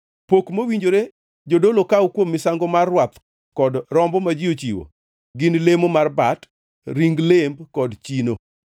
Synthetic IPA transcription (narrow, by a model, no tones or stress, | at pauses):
pokmowiɲd͡ʒoɾe | d͡ʒodolokawukwomːɪsaŋɡɔmarːwat̪ | kɔdɾɔmbɔmad͡ʒiot͡ʃiwo̰ | ɡɪnlemomarbat | ɾiŋɡlembkɔdt͡ʃino